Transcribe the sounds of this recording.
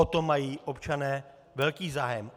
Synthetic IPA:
ot̪omajiːʔopt͡ʃanɛː | vɛlkiːzaːjɛm

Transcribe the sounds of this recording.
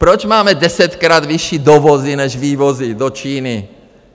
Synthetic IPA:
pɾɔt͡ʃmaːmɛd̪ɛsɛt̪kɾaːd̪ʋiʃiːd̪ɔʋɔzinɛʒʋiːʋɔzid̪ɔt͡ʃiːni

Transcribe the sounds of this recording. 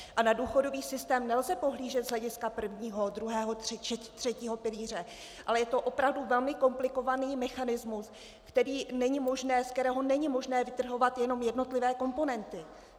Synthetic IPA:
ʔanaduːxo̞do̞viːsɪst̪ɛːmnɛlzɛpo̞ɦliːʒɛt̪zɦlɛɟɪskapr̩vɲiːɦo̞d̪ɾuɦɛːɦo̞rɛɛt̪r̝̥ɛciːɦo̞pɪliːr̝ɛ | ʔalɛjɛt̪o̞ʔo̞pɾavduvɛlmɪko̞mplɪko̞vaniːmɛxanɪzmus | kt̪ɛɾiːnɛɲɪmo̞ʒnɛːskt̪ɛɾɛːɦo̞nɛɲɪmo̞ʒnɛːvɪt̪r̩ɦo̞vat̪jɛno̞mjɛdno̞t̪lɪvɛːko̞mpo̞nɛnt̪ɪ

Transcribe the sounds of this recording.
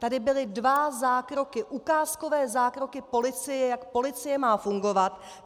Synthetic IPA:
t̪adɪbɪlɪdvazaːkɾo̞kɪʔukaːsko̞vɛːzaːkɾo̞kɪpo̞lɪt͡sɪjɛjakpo̞lɪt͡sɪjɛmaːfuŋɡo̞vat̪

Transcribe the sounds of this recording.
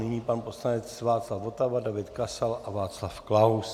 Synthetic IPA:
nɪɲiːpanposlaɲɛt͡svaːt̪t͡slafot̪avadavɪt̪kasalʔavaːt̪t͡slafklaws

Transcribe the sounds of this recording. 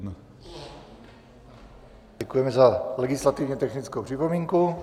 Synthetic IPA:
n | ɛkujɛmɛzalɛɡɪslat̪ɪvɲɛt̪ɛxnɪt͡skowpr̥ɪpo̞miːŋku

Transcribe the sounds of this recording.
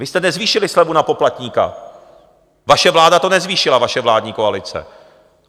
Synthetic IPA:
vɪst̪ɛnɛzviːʃɪlɪslɛbunapo̞plat̪ɲiːka̰ | vaʃɛvlaːdat̪o̞nɛzviːʃɪlavaʃɛvlaːdɲiːko̞alɪt͡sɛ̰

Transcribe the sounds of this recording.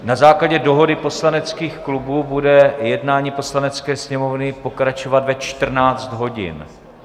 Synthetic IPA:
nazaːklaɟɛdo̞ɦo̞dɪpo̞slanɛt͡skiːxklubuːbudɛjɛdnaːɲiːpo̞slanɛt͡skɛːsɲɛmo̞vnɪpo̞kɾat͡ʃovat̪vɛt͡ʃt̪r̩naːt͡st̪ɦo̞ɟɪ̰n

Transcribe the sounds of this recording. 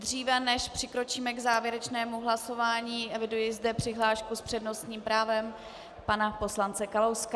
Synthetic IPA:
d̪r̝iːvɛnɛʃpr̝̥ɪkɾo̞t͡ʃiːmɛɡzaːvjɛɾɛt͡ʃnɛːmuɦlaso̞vaːɲiːʔɛvɪdujɪzdɛpr̥ɪɦlaːʃkuspr̥ɛdno̞st̪ɲiːmpɾaːvɛm | panapo̞slant͡sɛkalowska

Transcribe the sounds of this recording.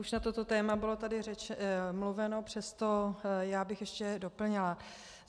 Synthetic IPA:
uʃnat̪o̞t̪o̞t̪ɛːmabɪlo̞t̪adɪrɛt͡ʃɛmluvɛno̞pr̝̥ɛst̪ojaːbɪxjɛʃcɛdo̞pl̩ɲɪla

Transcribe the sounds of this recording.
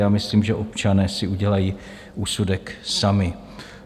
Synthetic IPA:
jaːmɪsliːmʒɛʔo̞pt͡ʃanɛːsɪuɟɛlajiː | ʔuːsudɛksamɪ

